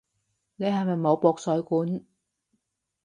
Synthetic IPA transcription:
ne˨˧jhɐ˨jmɐ˨jmo˨˧wpɔː˧k̚sœː˨˥ɥkuː˨˥n

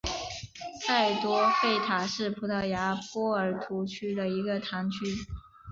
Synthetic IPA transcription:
t͡sʰa˥˩ɪt̪wɔ˥fe˥˩ɪt̪ʰa˨˩ʂɻ̩˥˩pʰu˧˥t̪ʰa˥˩ja˧˥pwɔ˥ə˞˨˩˥t̪ʰu˧˥t͡ɕʰy˥d̪ə˨i˧˥ɡə˧t̪ʰa˧˥ŋt͡ɕʰy˥

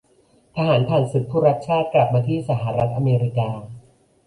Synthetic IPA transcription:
t̪ʰa˧haː˩˦np̪ʰaː˧˩nsu˨˦˥t̪̚pʰuː˥˩ɾa˦˥t̪̚t͡ɕʰaː˥˩t̪̚kla˨˩p̚maː˧t̪ʰiː˥˩sa˩˦ɦa˨˩ɾa˦˥t̪̚ʔa˧meː˧ɾi˧kaː˧

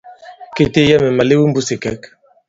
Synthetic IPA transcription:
ke˨te˦ja˦mɛ˨ma˨le˦wu˦mbu˦se˨kɛ˦k

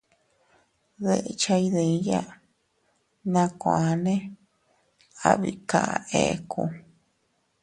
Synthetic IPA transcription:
ðe˦ʔe˧t͡ʃa˧i˧ðẽ˧˦ja˦˨ | nã˧kʷã˨˧nẽ˦ | a̰˦βi˧ka˧˨˧e˨˧ku˧

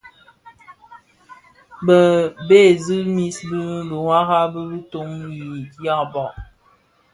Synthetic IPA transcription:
bə˨be˦˨zi˦mi˨sbi˦bə˨ŋwa˦ɣa˦bə˦bi˦to˨˦ŋji˨ja˦˨bɔ˨

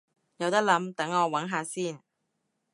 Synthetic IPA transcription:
jɐ˨˧wt̪ɐ˥k̚lɐ˨˥mt̪ɐ˨˥ŋɔː˨˧wɐ˨˥nɦaː˨˧siː˥˩n

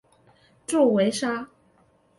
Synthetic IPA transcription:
ʈ͡ʂo˥˩we˧˥ɪʂa˥

